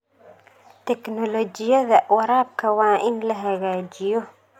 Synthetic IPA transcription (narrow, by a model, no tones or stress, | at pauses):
t̪ʰɛknɔlɔd͡ʒɪjɐðɐwɐɾaːb̚kʰɐwaːʔɪnlɐɦɐɣaːd͡ʒɪjɔ